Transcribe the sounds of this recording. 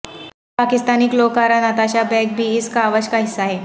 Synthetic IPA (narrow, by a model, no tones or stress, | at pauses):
paːkɪst̪aːnikloːkaɾãnaːt̪aːʃabɛ̃ːk̚bʱiɪskaːʋəʃkaɦɪsːaɦɛː